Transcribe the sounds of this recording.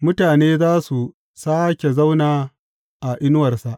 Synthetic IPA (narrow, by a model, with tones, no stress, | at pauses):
mʊ˦taː˨neː˦zaː˦su˨ | saː˦kʲe˨za˦wnaː˨ | ʔa˨ʔɪ˦nʊ˦wɐ˨rsa˨ʔ